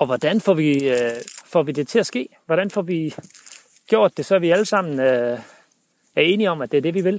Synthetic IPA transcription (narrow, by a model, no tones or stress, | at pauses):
ɒ̽ʋɒd̥ænfɒ̰ʋi | fɒʋid̥e̝t͡sʰe̝æsɡ̥e̝̰ːʋɒɾ̥ænfɒʋi | ɡ̥jo̝ɐ̰d̥ːe̝sɒ̽ʋiæləsɑ̈m̰n̩ø | æɐe̝ːniɒ̽mæd̥e̝æɐd̥e̝ʋiʋe̝l